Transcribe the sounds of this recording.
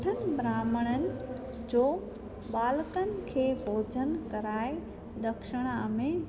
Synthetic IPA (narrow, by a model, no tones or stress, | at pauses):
ʈʰənɪ̆bɾaːməɽ̃ənɪ̆ | d͡ʑoː | ɓaːlkənɪ̆kʰeːbʱoːd͡ʑʱənkɐɾaːe | d̪ɐkʃɪɽ̃əmẽ